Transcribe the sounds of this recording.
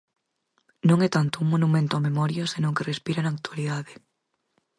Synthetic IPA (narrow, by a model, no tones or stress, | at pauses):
nõŋɛt̪ant̪ʊuŋmonumẽnt̪ʊamemɔɾjɐsenõŋkerespiɾanaːk̚t̪waliðaðe